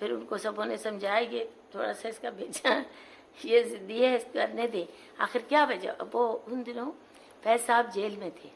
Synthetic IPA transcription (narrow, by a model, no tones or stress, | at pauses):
pʰɪɾʊnkosɐboːnẽsɐmd͡ʒʱaːeket̪ʰoːɽasaɪskabʱeːd͡ʒa | jezɪnd̪iɦɛɪskɐɾned̪eː | a̰ːxɪɾkjaːbɐd͡ʒa̰ʔɐ̰boʊnd̪ɪnõ | pɛːsaːb̚d͡ʒeːlmẽt̪ʰeː